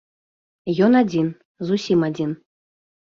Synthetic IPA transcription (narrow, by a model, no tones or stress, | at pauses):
jɔnad͡zʲin | zusʲimad͡zʲin